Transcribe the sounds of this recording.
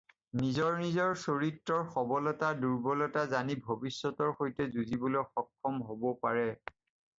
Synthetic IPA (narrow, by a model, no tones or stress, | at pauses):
nizɔɹnizɔɹsoɹitɹɔɹxɔbɔlɔtaduɹbɔlɔtazanibʱobisːɔtɔɹxojtɛzuzibɔlojxɔkʰːɔmɦobɔpaɹɛ